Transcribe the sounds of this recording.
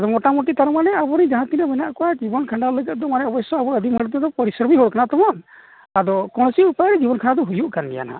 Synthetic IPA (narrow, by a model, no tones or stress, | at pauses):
ad̪ɔmɔʈamɔʈit̪aɾmanɛabɔɾid͡ʒaɦãt̪inabɛnaʔkɔwad͡ʒibɔnkʰaɳɖaləɡəʔ̚d̪ɔmanɛɔbɔsɔabɔɾəd̪ʱimɦɔɽd̪ɔd̪ɔpɔɾisɾɔmiɦɔɽkanat̪ɔmɔn | ad̪ɔkɔɽ̃siupajɾɛd͡ʒibɔnkʰanad̪ɔɦujuʔkanbḭja̰na̰